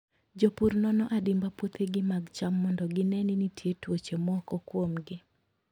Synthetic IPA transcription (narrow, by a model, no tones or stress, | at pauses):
d͡ʒopurnɔnɔʔadɪmbapwot̪ʰeɡɪmaɡt͡ʃamːɔndɔɡɪnɛninitʰjetwot͡ʃemɔkɔkwomɡɪ